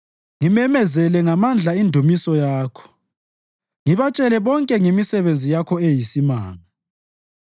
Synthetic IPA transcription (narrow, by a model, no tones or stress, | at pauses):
ŋimɛmɛzɛlɛŋamand͡ɮʱaindʱumisɔjaːkʰɔ̥ | ŋiβat͡ʃʼɛlɛβɔŋkʼɛŋemisɛβend͡zʱijakʰɔejisima̰ːŋa